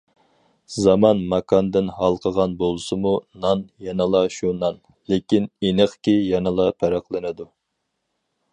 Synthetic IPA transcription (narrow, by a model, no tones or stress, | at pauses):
zɑmɑnmɑkʰɑnd̪ɪnɦɑlˠqʰəʁɑnbolˠɨsɨmunɑnjɛnəlˠɑʃunɑn | lekʲinenəχkʲijɛnəlˠɑpʰæɾæqlˠɨnɨd̪u